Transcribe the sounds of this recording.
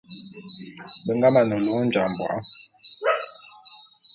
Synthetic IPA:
bə˨ŋɡa˦ma˨nɔ˨nɔ˨˦n̩˦d͡ʒa˨m˨bwa̰˨ʔa˦

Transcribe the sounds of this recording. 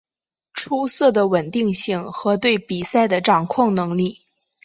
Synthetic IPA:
ʈ͡ʂʰu˥sɤ˥˩d̪ə˩wə˨˩nt̪i˥˧ŋɕi˥˩ŋxɤ˧˥t̪we˥˩ɪpi˨˩sa˥˩ɪd̪ə˩ʈ͡ʂɑ˨˩ŋkʰʊ˥˩ŋnɤ˧˥ŋli˥˩

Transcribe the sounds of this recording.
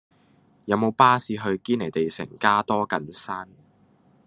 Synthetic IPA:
jɐ˨˧wmo˨˧wpaː˥siː˧ɦɵ˧ɥkiː˥nle˨˩jt̪e˨jsɪ̰˨˩ŋkaː˥t̪ɔː˥kɐ˨nsaː˥n

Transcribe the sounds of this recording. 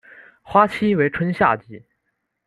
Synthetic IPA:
xwa˥t͡ɕʰi˥we˧˥ɪʈ͡ʂʰwə˥nɕja̰˥˩t͡ɕi˥˩

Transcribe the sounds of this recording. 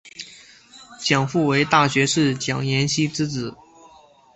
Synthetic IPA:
t͡ɕjɑ˨˩ŋfu˥˩we˧˥ɪt̪a˥˩ɕɥɛ˧˥ʂɻ̩˥˩t͡ɕjɑ˨˩ŋjɛ˧˥nɕi˥ʈ͡ʂɻ̩˥t͡sɹ̩˨˩˦

